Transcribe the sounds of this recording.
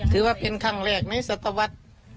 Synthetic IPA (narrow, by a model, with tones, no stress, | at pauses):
t̪ʰɯː˨˦waː˧˩pe˨nkʰa˧˩ŋɾɛː˧˩k̚na˧˥˨jsa˧t̪ːa˧wa˧˥t̪̚